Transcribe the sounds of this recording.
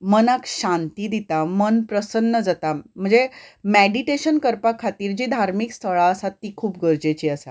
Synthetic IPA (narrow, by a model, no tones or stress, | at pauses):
mənakɕãnt̪iːd̪it̪amənpɾəsənːəd͡zat̪am̤əɳd͡zemeɽiʈeɕənkəɾpakʰːat̪iːɾd͡ʑiːd̪ʱaɾmikst̪ʰəɭaəsat̪ːiːkʰuːp̚ɡʱəɾd͡ʑet͡ɕiːəsa